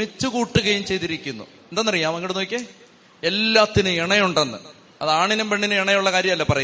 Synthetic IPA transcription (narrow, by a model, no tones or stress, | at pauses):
mit͡ɕːukuːʈːuɣɐjumt͡ɕe̞jt̪iɾikʲːunːṵ | end̪aːnːɐrijaːmɐŋɡiɽunːuokʲːe | elːaːt̪ːinɨeɳɐjuɳɖenːɨ̰ | ɐ̰ðaːɳinɐmbeɳɖinɨeɳɐjuɭːɐkaːɾjɐmɐlːɐpɐrɐju